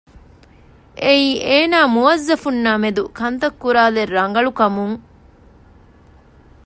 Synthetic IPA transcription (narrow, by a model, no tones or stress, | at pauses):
ʔeiːʔeːnaːmuʋɐzːɐfunːaːmed̪ukɐnt̪ɐkːuɾaːlerːɐŋɡɐɭukɐmuŋ